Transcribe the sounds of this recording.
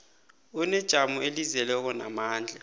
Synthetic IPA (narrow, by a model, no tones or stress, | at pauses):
unɛd̥ʒ̥ʱamuelizɛlɛk̬ɔna̰maːnd͡ɮʱɛ